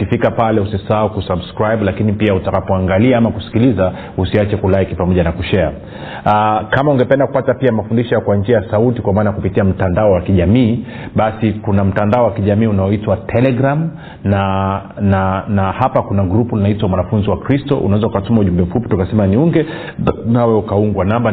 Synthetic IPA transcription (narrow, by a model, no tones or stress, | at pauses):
kifikapalɛusisaukusabskɾajɓlakinipiautakapɔaŋɡaliaamakusi̥kiliza | usiat͡ʃɛkulaikipamɔʄanakuʃɛa̰ | akamauŋɡɛpɛndaku̥patapiamafundiʃɔjakwaɲd͡ʒiajasautikwamaːnajakupitiam̩tandaɔwakiʄamiː | ɓasikunam̩tandaɔwakiʄamiːunaɔitwatʰɛlɛɡɾam | nananahapakunaɡɾupulinaitwamwanafunziwakɾistɔʔṵnawɛzaukatumauʄumbɛm̩fupitukasɛmaniuŋɡɛ | nawɛukauŋɡwanamba